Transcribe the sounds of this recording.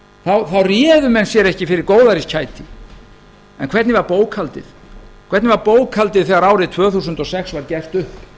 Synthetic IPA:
θawθawrjɛːðʏmɛnsjɛɾɛhcɪfɪɾɪɾkoːwðaɾiscʰaːjt̪i | ɛnkʰvɛɾt̪nɪvaɾpoːwkʰalt̪ɪ̰θ | kʰvɛɾt̪nɪvaɾpoːwkʰalt̪ɪðθɛɣaɾaːwɾɪðt̪ʰvœːθusʏnt̪ɔsɛksvaɾcɛr̥t̪ʏhp

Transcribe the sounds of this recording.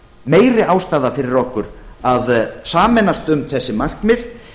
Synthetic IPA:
meːjɾɪawst̪aːðafɪɾɪɾɔhkʏɾaðsaːmɛnast̪ʏmθɛsːɪmar̥kmɪð

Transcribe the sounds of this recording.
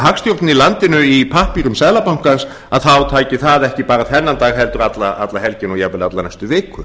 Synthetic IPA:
ɦakst̪jowɾt̪nɪilant̪ɪnʏipʰahpiɾʏmsɛðlapawŋ̥kans | aðθawt̪ʰaːjcɪθaðɛhcɪpaːɾaθɛnːant̪aːɣɦɛlt̪ʏɾat̪laat̪lahɛlcɪnɔjapvɪlat̪lanajst̪ʏvɪːkʏ

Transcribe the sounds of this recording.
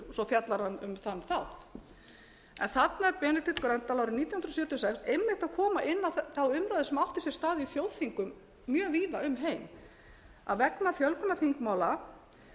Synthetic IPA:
sɔfjat̪laɾhanːʏmθanːθawht̪ | ɛ̰nθat̪naɛɾpɛːnɪt̪ɪt̪kɾant̪alawɾʏmniːt̪jahnɾɔsjœːt̪ʏɔsɛksejmːɪht̪aðkʰɔːmaʔɪnːaθθawʏmɾajðɪsmawht̪ɪsjɛɾ̥st̪aːðɪifjoːwθiŋkʏmː | jœːviːðaʏmɦejm | a̰ðvɛknafjœlkʏnaθiŋkmaːwla

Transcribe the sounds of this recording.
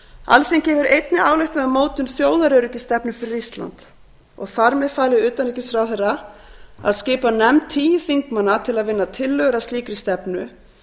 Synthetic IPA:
a̰lθeŋcɛːvʏɾejt̪nɪʔaːwlejht̪aamoːwt̪ʏnθjoːwðaɾœɾʏcɪst̪ɛpnʏfɪɾɪɾist̪la̰nt̪ | ɔ̰ɣθaɾmɛðfaːlɪʏːt̪anɛcɪsfɾawθɛrːa | a̰ðscɪːpanɛmt̪ʰiːjθiŋkmanːat̪ʰɪlaðvɪnːat̪ʰɪlːœɣɾast̪iːkɾɪst̪ɛpnʏ

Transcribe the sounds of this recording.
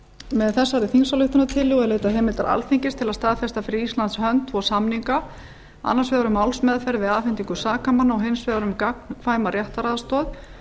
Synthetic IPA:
mɛðθɛsːaɾɪθinsalʏht̪ʏnat̪ʰɪlːɣɔðɛɾleːjt̪aɦɛːmɪlt̪a̰ɾa̰lfiɲcɪst̪ʰɪlaðst̪aːðfɛst̪afɪɾɪɾist̪lant̪shœnt̪ʰːvɔsamniŋka | a̰nːḁɾsvɛːðaɾʏmːawlsmɛðfɛɾvɪðaːfɪnt̪iŋkʏsaːkamanːaɔɦɪnsvɛðaɾʏmkak̚nkʰvaːjmaɾjaht̪aɾaðast̪ɔð

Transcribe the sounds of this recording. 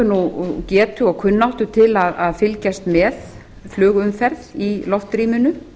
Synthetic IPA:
nucɛːt̪ʏɔɣkʰʏnːawht̪ʏt̪ʰɪlaðaðfɪlcast̪mɛθ | flʏːɣʏmfɛɾðilɔft̪ɾiːmʏnʏ

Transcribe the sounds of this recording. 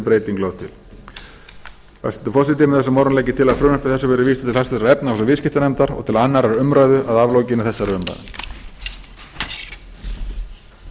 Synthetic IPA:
pɾeːjt̪iŋklawt̪ʰɪ̰l | fa̰sɛnt̪ʏfɔsɪt̪ɪmɪθɛsʏmawɾnlɛːjcɪt̪ʰɪlaðfɾʏːnœhpɪθɛsːʏvɛːɾɪviːsḁt̪ɪlhast̪ʏsaɾɛpnaɔsʏvɪðscɪht̪anɛmt̪aɾɔ̰ɣt̪ʰɪlanːaɾɛɾʏmɾaːjðʏʔaðaːvloːwcɪnːɪθɛsːaɾʏmɾa̰jðɪ̰

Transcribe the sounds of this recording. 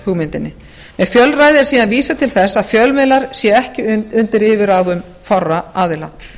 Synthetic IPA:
huːɣmɪnt̪ɪnːɪ | mɛðfjœlraːjðɪɾ̥siːðanviːsat̪ʰɪlθɛsaðfjœlmɪðlaɾ̥sjɛɛhcɪʏnt̪ɪɾɪːvɪɾawðʏm | farːaaːðɪla̰

